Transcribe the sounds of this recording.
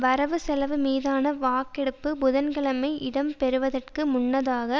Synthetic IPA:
ʋɐɾɐʋɯsɛlɐʋɯmiːðaːnɐʋaːkɛɽɯpːɯbʊðɐnɡɐɭɐmɐɪʔɪɽɐmpɛɾɯʋɐðɐrkɯmʊɳːɐðaːɣɐ

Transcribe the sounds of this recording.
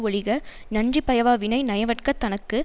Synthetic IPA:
ɔɻɪɣɐ | nɐndripɐjɐʋaːʋɪnɐɪnɐjɐʋɐʈkɐt̪ːɐnɐkːɯ

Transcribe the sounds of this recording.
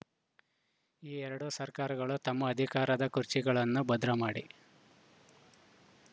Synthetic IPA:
iːɛɾɐɽoːsɐɾkaːɾɐɡɐɭut̪ɐmːɐːd̪ʱikaːɾɐd̪ɐkuɾt͡ʃiɡɐɭɐnːubɐd̪ɾɐmaːɽi

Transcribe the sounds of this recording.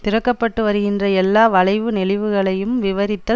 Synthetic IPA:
t̪ɪɾɐkːɐpːɐʈːɯʋɐɾɯɣɪndrɐɛlːaːʋɐɭɐɪʋɯnɛlɪʋɯɣɐɭɐjɯmʋɪʋɐɾɪt̪ːɐ

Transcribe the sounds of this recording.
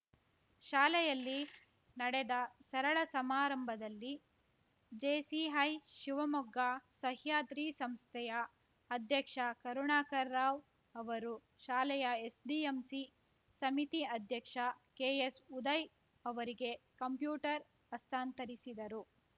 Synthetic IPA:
ʃaːlɛjɐlːi | nɐɽɛd̪ɐsɐɾɐɭɐsɐmaːɾɐmbʱɐd̪ɐlːi | d͡ʒeːsiɦɐjʃiʋɐmuɡːasɐɦjaːt̪ɾiːsɐmst̪ʰɛjɐː | d̪ʱjɐkʂɐkɐɾuɳaːkɐɾːaːʋ | ɐʋɐɾu | ʃaːlɛjɐe̞sɖiːemsi | sɐmit̪iɐd̪ʱjɐkʂɐkeːesud̪ɐj | ɐʋɐɾiɡe̞kɐmpjuːʈɐɾ | ɐst̪ʰaːnt̪ɐɾisid̪ɐɾu

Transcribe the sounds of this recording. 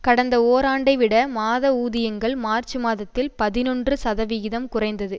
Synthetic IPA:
kɐɽɐnd̪ɐoːɾaːɳɖɐɪʋɪɽɐmaːðɐuːðɪjɐŋɡɐɭmaːrt͡ʃɯmaːðɐt̪ːɪlpɐðɪnɔndrɯsɐðɐʋɪɣɪðɐmkʊrɐɪnd̪ɐðɯ

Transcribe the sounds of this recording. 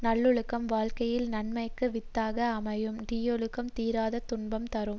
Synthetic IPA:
nɐɭːɔɻɯkːɐmʋaːlkɐjɪlnɐɳmɐɪkːɯʋɪt̪ːaːɣɐːmɐjɯmɖijɔɭɯkːɐmt̪iːɾaːðɐt̪ʊɳbɐmt̪ɐɾɯm

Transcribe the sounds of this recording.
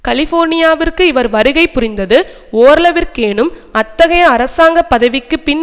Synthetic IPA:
kɐlɪfoːɾnɪjaːʋɪrkɯɪʋɐɾʋɐɾɯɣɐɪpːʊɾɪnd̪ɐðɯ | oːɾɐlɐʋɪrkeːnɯmɐt̪ːɐɣɐjɐːɾɐsaːŋɡɐpːɐðɐʋɪkːɯpɪn

